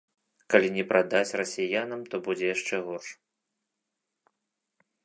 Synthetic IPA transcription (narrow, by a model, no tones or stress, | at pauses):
kalʲinʲɛpɾʔad̪at͡sʲrɐsʲijanɐmt̪ɔbud͡zʲɛjaʂt͡ʂɛɣɔrʂ